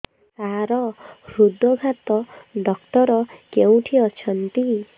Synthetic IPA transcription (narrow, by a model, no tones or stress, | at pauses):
saɾɔɾud̪ɔɡʱat̪ɔɖɔk̚ʈɔɾɔkew̃ʈʰiɔt͡ʃʰʌnt̪i